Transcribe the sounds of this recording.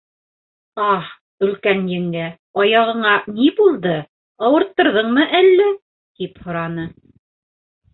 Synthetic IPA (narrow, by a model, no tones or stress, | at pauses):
ɑh | ɵ̆lkænjɘ̆ŋɡæ | ɑjɑʁɤ̆ɴɑnibulˠd̪ɤ | ɑwɤ̆ɾt̪ːɤ̆ɾðɤɴmɤʔælːæ | t̪iphŏɾɑnɤ